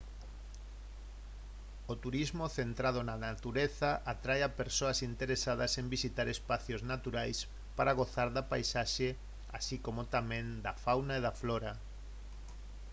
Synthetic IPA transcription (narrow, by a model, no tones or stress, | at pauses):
ot̪uɾizmoθent̪ɾað̞onanat̪uɾeθaʔat̪ɾajapeɾsoasint̪eɾesaðɐsembisit̪aɾespaθjoznat̪uɾajs | paɾaɣ̞oθaɾðapajsaʃe | a̰sikomot̪amẽnd̪afawnaeðafloɾa